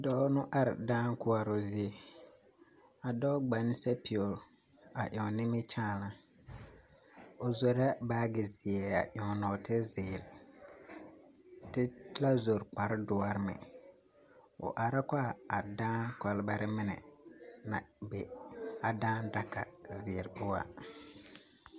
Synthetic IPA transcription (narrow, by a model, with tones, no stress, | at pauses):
dɔ˦ʊ˦nʊ˦ʔa˦ɾɪ˨daː˦ŋkʊ˦a˨ɾo˨zi˦e˨ | a˨dɔ˦ɡ͡ba˨n˦sa˦pi˨o˨ | a˨ʔɔ˨nɪ˦mɪ˦t͡ʃaː˦˨la˦˨ | o˨zo˨ɾa˦baː˦ɡɪ˨zɪ˨ɛ˨a˨ʔɔ˨nɔ˨tɪ˦zɪː˨ɾ | tɪ˦la˦zo˨ɾk͡pa˨ɾɪ˦dʊ˨˦a˦ɾmɛ̰˨ | ʊ̰˨ʔa˨ɾa˦kʷa˦˨a˨dãː˦ka˨lba˦ɾɪ˦mɪ˦nɛ̰˨na˨bɛ˨a˨dãː˦n˦da˨ka˨zɪ˨ɾʊ˦wa̰˨